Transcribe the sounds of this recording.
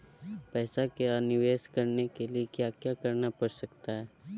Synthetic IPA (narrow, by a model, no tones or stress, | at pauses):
pɛːsakeanɪʋeːʃkɐɾnekeliekjaːkjakɐɾnapɐɽsɐkt̪aɦɛː